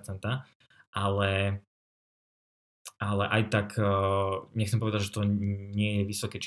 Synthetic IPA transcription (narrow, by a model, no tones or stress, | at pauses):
t͡sɛnt̪a | ʔalɛ | alɛʔajt̪akʰ | ɲɛxkt͡sɛmpɔʋɛd̪aɟʒɛt̪ɔɲɪɛjɛʋisɔkɛt͡ʃ